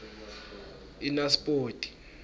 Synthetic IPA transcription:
inaspʼoːtʼi̥

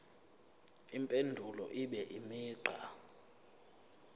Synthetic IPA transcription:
impʼendʱulɔ̰ʔiɓɛʔimiːǃʱa̰

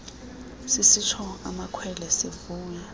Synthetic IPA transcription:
sɪsit͡ʃʰɔa̰makʰwɛlɛsevuːɲa

